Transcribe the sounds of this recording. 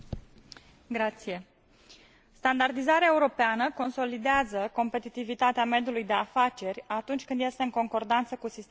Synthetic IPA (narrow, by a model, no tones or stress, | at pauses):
ɡɾat̪sije̞ | st̪and̪ard̪izaɾeaeuɾo̞peanəko̞nso̞lid̪eazəko̞mpe̞t̪it̪ivit̪at̪eame̞d̪julujd̪e̞afat͡ʃe̞rʲat̪unt͡ʃʲkɨnd̪je̞st̪e̞ɨŋko̞ŋko̞rd̪ant̪səkusist̪